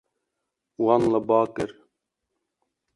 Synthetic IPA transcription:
wanləbɑːkəɾ

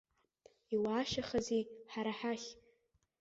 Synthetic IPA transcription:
iwaːʃaχaziħaɾaħaχʲ

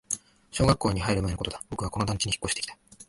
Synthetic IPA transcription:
ɕo̞ːɡakːo̞ːɲ̟ihaiɾɯmaenoko̞t̪o̞d̪abo̞kɯ̟βako̞no̞d̪ãŋkʲiɲ̟içi̥kːo̞ɕi̥t̪eki̥t̪ḁ

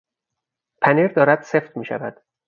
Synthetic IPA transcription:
pʰæniːɾd̪ɒːɾæd̪̥se̞ft̪miːʃæ̰væd̪̥

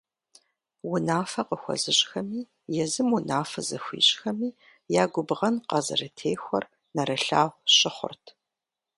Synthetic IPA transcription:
wʊnaːfɐqəxʷɔ̰zɨɕʼxɐmiː | jɛzɨmwʊnaːfɐzɐxʷḭːɕʼxɐmiː | jaːɡʷʊbʁɐnqɑzɨ̰rɨtʰeːxʷɔr | nɐɾɐɬaːʁʷɕʼɪχʷʊ̰rtʰ

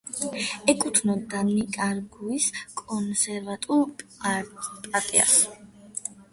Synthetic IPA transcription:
ɛkʼut̪ʰnɔd̪anikʼaɾɡuiskʼɔnsɛɾvat̪ʼu | pʼaɾt̪ʼḭa̰s

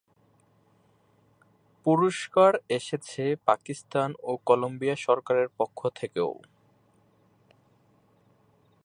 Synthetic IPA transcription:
puɾoʃkaɾeʃet͡ɕʰepakist̪anokɔlombiaʃɔɾkaɾeɾpokʰːot̪ʰekḛo

